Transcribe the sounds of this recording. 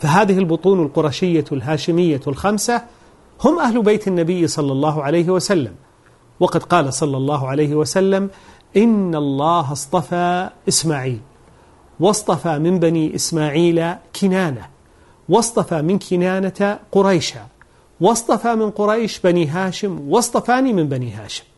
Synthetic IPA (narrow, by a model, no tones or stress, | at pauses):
faɦaːðɪhɪlbʊt̪ˤuːnalqʊɾˤɑʃɪjːalɦaːʃɪmɪjːalxamsa | hʊmʔahlbajt̪anːabɪjːsˤɑlːɑlˤːɑːɦʊʕalajɦɪwasalːam | wɑqɑd̪qɑːlasˤɑlːɑlˤːɑːɦʕalajhɪwasalːam | ʔɪnːalˤːɑːɦɑsˤt̪ˤɑfaːʔɪsmaːʕiːl | wɑsˤt̪ˤɑfamɪmbaniʔɪsmaːʕiːlakʰɪnaːna | wɑst̪ˤɑfamɪnkʰɪnaːnaqʊɾˤɑjʃa | wɑsˤt̪ˤɑfamɪnqʊɾˤɑjʃbaniːɦaːʃɪmwɑsˤt̪ˤɑfaːnimɪmbaniːɦa̰ːʃɪ̥m